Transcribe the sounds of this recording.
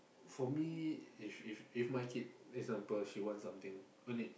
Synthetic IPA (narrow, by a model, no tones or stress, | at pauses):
fɔmiifififmajkʰit̚ɛkzãmpəlʃiwɔ̃ntsãmt̪ɪ̃ŋ | õni